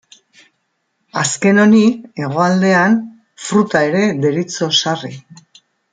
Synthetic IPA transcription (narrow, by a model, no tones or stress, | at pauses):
aske̞no̞nie̞ɣ̞o̞ald̪e̞an | fɾut̪ae̞ɾe̞d̪e̞ɾit͡so̞sari